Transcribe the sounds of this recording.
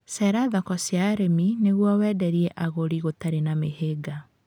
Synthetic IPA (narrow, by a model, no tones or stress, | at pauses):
sɛɾaðɔkɔsjaɾemineɣwɔwɛːdɛɾiɛʔaɣoɾiɣotaɾenameɦeɡa